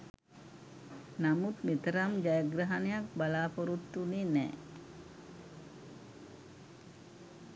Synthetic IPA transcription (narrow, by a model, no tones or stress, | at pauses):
namut̪mit̪əɾamd͡ʒajəɡɾaɦanejak̚balaːpoɾut̪ːunenɛ̰ː